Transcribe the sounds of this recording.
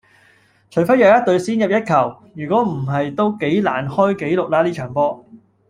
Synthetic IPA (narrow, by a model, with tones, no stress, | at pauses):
t͡ʃʰɵ˨˩ɥfɐ˥jɐ˨wjɐ˥t̪̚ɵ˧ɥsiː˥njɐ˨p̚jɐ˥t̚kʰɐ˨˩w | jyː˨˩kʷɔː˨˥m̩˨˩ɦɐ˨jt̪o˥wke˨˥jla̰ː˨˩nhɔː˥jke˨˥jlʊ˨k̚laː˧liː˥t͡ʃʰœː˨˩ŋpɔː˥